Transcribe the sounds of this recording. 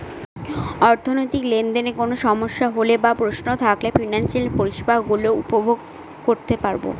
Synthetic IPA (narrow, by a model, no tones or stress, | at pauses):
ɔɾt̪ʰonojt̪iklend̪enekonoʃɔmoʃːaɦolebapɾosnot̪ʰaklefinanʃelepoɾiʃbaɦɡuloupobʱoɡ | koɾt̪epaɾbo̰